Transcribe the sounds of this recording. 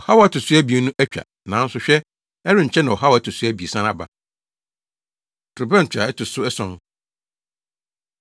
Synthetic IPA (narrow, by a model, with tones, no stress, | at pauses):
ɔ˨ha˦wɔ˨˦æ˦tʰʊ˨su˦æ˦bi˨e˨nũ˦ʔæ˦t͡ɕᶣa̰˨ | nã˨˦n̩˦sʊ˨ɕᶣɛ˦ | ɛ˦ɾɪ˦ɲ̩˨t͡ɕʰɛ˦nã˨ɔ˨ɦa˦wɔ˨æ˦tʰʊ˨su˦æ˦bi˨e˨sã˦n˦a˨ba˨ | tʰʊ˨bɛ˦n̩˨t͡ɕʰᶣa˨ɛ˦tʰʊ˨sʊ˦ɛ˦sɔ̃˦n